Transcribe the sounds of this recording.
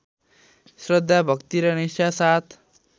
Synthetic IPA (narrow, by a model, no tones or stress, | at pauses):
sɾɔd̪ʱːabʱʌkt̪iɾʌnisasat̪ʰ